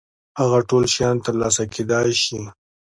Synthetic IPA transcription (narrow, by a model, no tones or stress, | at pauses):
haɣaʈolʃjɑnt̪əɾlɑsakʰed̪ɑjʃi